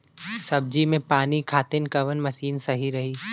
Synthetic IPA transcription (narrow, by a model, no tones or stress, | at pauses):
sɐb̚d͡ʒimẽpaːnikʰaːt̪ɪnkɐʋənmɐʃiːnsɐɦiɾɐɦiː